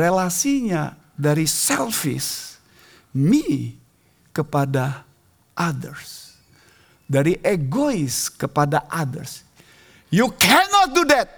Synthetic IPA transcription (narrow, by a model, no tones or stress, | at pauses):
ɾelasiɲa̰ | daɾisɛlfḭs | mi | kəpada | ʔadərs | daɾiʔeɡoiskəpadaʔadə̰rs | jukʰɛnɔt̪̚dudɛt̪̚